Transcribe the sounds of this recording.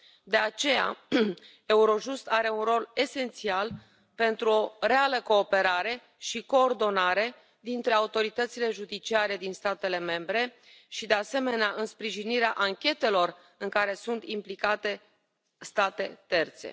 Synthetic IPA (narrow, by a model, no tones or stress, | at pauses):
d̪e̞at͡ʃe̞ja̰ | e̞uɾo̞ʒust̪aɾe̞unro̞le̞se̞nt̪sial | pe̞nt̪ɾuo̞ɾe̞aləko̞ːpe̞ɾaɾe̞ | ʃiko̞ːrd̪o̞naɾe̞ | d̪int̪ɾe̞aut̪o̞ɾit̪ət̪sile̞ʒud̪it͡ʃiaɾe̞d̪inst̪at̪e̞le̞me̞mbɾe̞ | ʃid̪e̞ase̞me̞neaʔɨnspɾiʒiniɾeaʔaŋkʲe̞t̪e̞lo̞r | ɨŋkaɾe̞sunt̪implikat̪e̞ | st̪at̪e̞t̪e̞rt̪se̞̰